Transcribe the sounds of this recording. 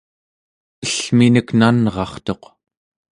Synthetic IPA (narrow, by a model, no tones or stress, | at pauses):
əɬminəknanʁɑχt̪o̞q